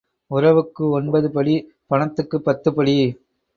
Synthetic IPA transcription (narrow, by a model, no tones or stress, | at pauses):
ʊɾɐʋɯkːɯɔnbɐðɯpɐɭi | pɐɳɐt̪ːɯkːɯpːɐt̪ːɯpɐɭi